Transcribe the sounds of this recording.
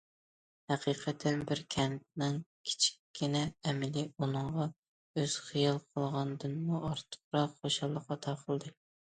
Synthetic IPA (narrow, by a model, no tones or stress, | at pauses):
hɛqʰiːqʰɛt̪ʰːɛnbɪɾkʲʰɛnt̪̚nɪŋkʲʰi̥t͡ʃʰi̥kʲʰːinɛːmɪliunɨŋʁɑ | øz̥χijɑlˠqʰəlˠʁɑnd̪ɨnmuʔɑɾt̪ʰə̥χɾɑχoʃɑlˠːəqːɑt̪ʰɑːqʰəlˠd̪ɨ